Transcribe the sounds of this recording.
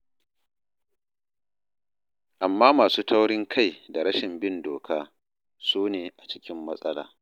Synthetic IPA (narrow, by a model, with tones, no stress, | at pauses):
ʔa˨mːaː˦maː˨suː˦tʰa˦wɽɪ˦ŋkʰa˦˨jda˨ɽɐ˦ʃɪ˨mbɪ˦ndoː˨kʰaː˦ | soː˦neː˨ʔa˨t͡ʃɪ̥˦kʲɪ˦mːɐ˦sʼɐ˦la̰ː˨